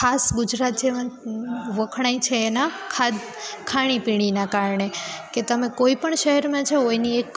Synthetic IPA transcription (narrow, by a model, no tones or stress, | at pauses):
kʰasɡʊd͡ʒɾat̪̚d͡ʒeʋa | ʋəkʰɽ̃ait͡ʃʰeːnakʰad̪ | kʰaɽ̃ipiɽ̃inakaɾɳeket̪əmẽkoipəɳʃəɦɛɾmãt͡ʃʰeojniek